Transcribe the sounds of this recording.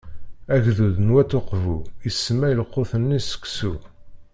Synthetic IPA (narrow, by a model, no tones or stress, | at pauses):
æʝðuðnwæt̪ːoqvuisːmæjəlqːoθənːisə̥kːsu